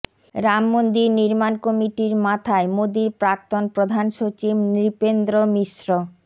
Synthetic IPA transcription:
ɾamːond̪iniɾmankomiʈiɾmat̪ʰaemod̪iɾpɾak̚t̪onpɾod̪ʱanʃot͡ɕibnɾipend̪ɾomiʃɾo

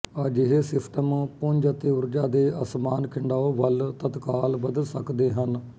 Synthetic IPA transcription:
əd͡ʒɪɦeːsɪpʰʈəmpʊ̃ɲd͡ʒət̪eːʊɾd͡ʒaːd̪eːəsmaːnkʰɪɳɖaːoʋəlt̪ət̪kaːlbəd̪əlsəkd̪eːɦən

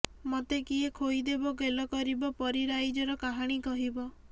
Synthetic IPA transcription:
mot̪ekiekʰojd̪ebɔɡelɔkɔɾibɔpɔɾiɾajd͡ʒɔɾɔkaɦaɽ̃ikɔɦibɔ

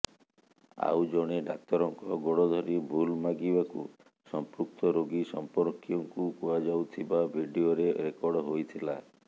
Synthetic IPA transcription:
a̰wd͡ʒɔɽ̃eɖak̚t̪ɔɾɔŋkɔɡɔɽɔd̪ʱɔɾibʱulmaɡibakṵ | sɔmpɾuk̚t̪ɔɾoɡisɔmpɔɾkjɔŋkukuad͡ʒawt̪ʰibabʱiɖioɾeɾekɔɾɖɔɦojt̪ʰila̰

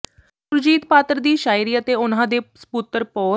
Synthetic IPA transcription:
ʊɾd͡ʒiːt̪paːt̪əɾd̪iːʃaːiɾiːət̪eːʊn̤ãːd̪eːsə̥puːt̪əɾpɔː

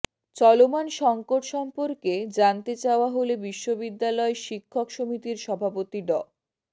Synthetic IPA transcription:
t͡ɕɔlomanʃɔŋkoʈʃɔmpoɾked͡ʑant̪et͡ɕaoaɦolebiʃːobid̪ːalɔeʃikʰːokʃomit̪iɾʃɔbʱapot̪iɖɔ

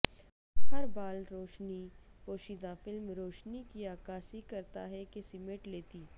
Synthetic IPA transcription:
hɐɾbaːlɾoːʃnipoːʃid̪aːfɪlmɾoːʃnikiaːkaːsikɐɾt̪a̰ɦɛkesɪmeʈleːt̪iː

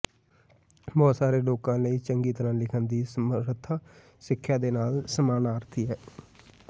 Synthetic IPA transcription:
bɔːt̪saːɾeːloːkãːləiːt͡ʃəŋɡiːt̪əɾãːlɪkʰənd̪iːsəəɾət̪ʰːaː | sɪkʰːjaːd̪eːnaːlsəmaːnaːɾət̪ʰiːɦɛː

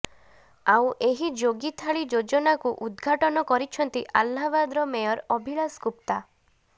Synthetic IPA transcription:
awʔeɦid͡ʒoɡit̪ʰaɭid͡ʒod͡ʒɔnakuʔud̪ɡʱaʈɔnɔkɔɾit͡ʃʰɔnt̪iʔalːabad̪ɾɔmejɔɾɔbʱiɭaskup̚t̪a

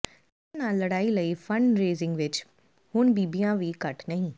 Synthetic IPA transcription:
tː | nãləɽaːiləifə̃ɳɖɾeːzɪ̃ŋɡʋɪt͡ʃ | hʊnbiːbijãʋikɐʈnɐɦĩː

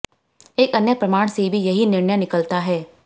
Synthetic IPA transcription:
eːkɐnjəpɾɐmaːɽ̃sebʱijɐɦinɪɾɳjənɪkəlt̪aɦɛː

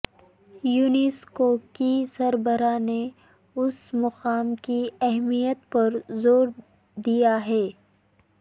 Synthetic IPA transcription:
juːnɪskokisɐɾbəɾane | ʊsmɐqaːmkiɛɦmijət̪pɐɾzoːɾ | d̪ijaɦɛː

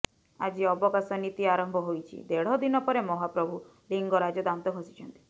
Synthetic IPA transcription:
a̰d͡ʒiɔbɔkasɔnit̪iaɾɔmbʱɔɦojt͡ʃʰḭd̪eɽ̤ɔd̪inɔpɔɾemɔɦapɾɔbʱu | liŋɡɔɾad͡ʒɔd̪amt̪ɔkɔsi̥t͡ʃʰɔnt̪i̥

